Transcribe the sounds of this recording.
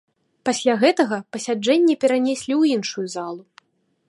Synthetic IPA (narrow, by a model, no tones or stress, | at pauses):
pasʲlʲaɣɛt̪ɐɣɐpɐsʲad͡ʐɛnʲːɛpʲɛɾanʲɛsʲlʲiwinʂujuzalˠu